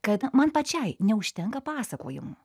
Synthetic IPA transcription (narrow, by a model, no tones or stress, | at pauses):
kɐt̪mɐnpɐt͡ʃʲɛɪnʲɛʊʃʲt̪ʲɛŋkɐpɑːsɐko̰ːjʊ̰m